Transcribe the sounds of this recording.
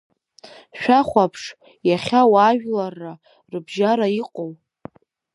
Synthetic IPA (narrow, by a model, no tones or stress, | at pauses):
ʃᶣaχʷapʰʂ | jaχʲawaʒᶣlarːa | rɨbʒaɾaiqʼow